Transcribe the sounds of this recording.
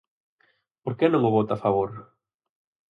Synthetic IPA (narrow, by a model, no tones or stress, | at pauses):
poɾkenõŋʊβot̪afaβ̞oɾ